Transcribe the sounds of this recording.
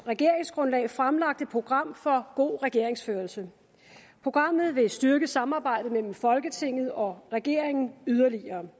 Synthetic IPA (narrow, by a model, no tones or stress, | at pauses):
ʁɛɡ̥e̝ɐeŋsɡ̥ʁɔ̽nlɛ̰ːɪfʁamlɑ̈ɡ̥̚d̥əpʰʁo̝ɡ̥ʁɑ̈m̰fɒ̽ɡ̥o̝̰ːʁɛɡ̥e̝ɐ̰e̝ŋsføːɐlsə | pʰʁo̝ɡ̥ʁɑ̈m̰ð̞̩ˠʋe̝sd̥yɐɡ̥əsɑ̈mɑ̈ːb̥ɑ̈ɪ̰d̥ð̩əmel̰m̩fɒ̽lɡ̥ət͡sʰe̝ŋ̰ð̞̩ˠɒ̽ʁɛɡ̥e̝ɐ̰eŋn̩yð̞ˠɐliɐː